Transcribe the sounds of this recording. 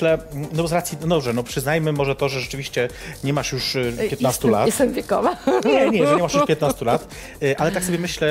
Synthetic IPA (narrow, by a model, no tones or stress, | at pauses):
lɛnɔbɔzɾat̪sʲjinɔd̪ɔbʐɛnɔpʂɘznajmɘmɔʐɛt̪ɔʐɛʐɛt͡ʂɘvʲiɕt͡ɕɛ | ɲɛmaʂjuʂppjɛt̪nast̪ula̰tɛsɛmvʲjɛkɔ̰vaɲɛɲɛʐɛɲɲɛmaʂjuʂpʲjɛt̪nast̪ulat̪ | ʔalɛt̪aksɔbʲjɛmɘɕlɛ